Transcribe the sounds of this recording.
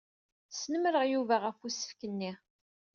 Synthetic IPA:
snəmɾəʁjuvæʁəfusə̥fkənːi

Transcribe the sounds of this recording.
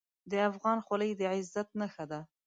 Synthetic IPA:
d̪əafɣɑnxaləjd̪əʕɪzːat̪̚naxad̪a

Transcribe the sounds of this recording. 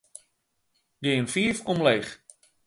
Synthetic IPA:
ɡɪːənfiəfomlejx

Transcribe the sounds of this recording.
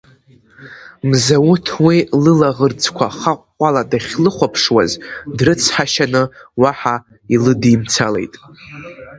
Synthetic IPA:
mzawʊtʰwilɨlaʁərd͡zkʷʰaχaqʷːʼaladaχʲlɨχʷapʰʂwa̰zdrɨt͡sʰħaʃanɨwaħa | ilɨdimt͡sʰale̞̰jtʼ

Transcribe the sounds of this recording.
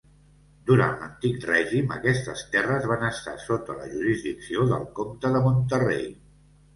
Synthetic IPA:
d̪uɾa̰nt̪lənt̪ikrɛʒimə̰kɛst̪əst̪ɛrəzβanəst̪a̰sot̪ələ̰ʒuɾizðiksioðə̰lˠkomt̪əðəmont̪ərḛj

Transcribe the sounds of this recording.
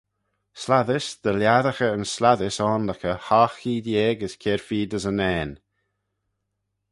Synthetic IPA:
slaðɪsd̪̥əljaðəxəənslaðɪsɔːnləkəhaːxiːd̪jeːɡəskʰɛɹfiːd̪əzənɛːn

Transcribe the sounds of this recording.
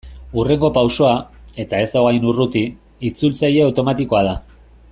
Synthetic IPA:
ure̞ŋɡo̞pawso̞ae̞t̪ae̞zt̪awɣajnurut̪i | it͡sult͡saje̞awt̪o̞mat̪iko̞að̞a

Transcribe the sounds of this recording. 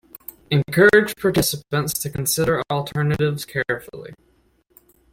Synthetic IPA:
ɨ̃nkʰɜ˞ɨd͡ʒ̥pʰɑɹtɪsəpə̃ntstʰɨkn̩sɪɾə˞lˠtʰɜ˞nɨɾɪvz̥kʰɛɹfl̩ˠḭ

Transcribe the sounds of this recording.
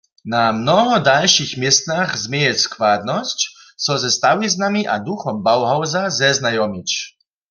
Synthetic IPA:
namnɔɦɔd̪alʃixmjɛst̪naxzmjɛjɛskʋad̪nɔst͡ɕ | sɔzɛst̪awiznamiʔa̰d̪uxɔmbawɦawzazɛznajɔmit͡ɕ

